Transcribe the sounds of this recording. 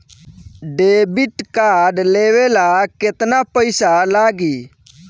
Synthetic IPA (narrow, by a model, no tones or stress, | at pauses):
ɖeːbiʈkaːɖleːʋelaket̪napəɪsalaːɡiː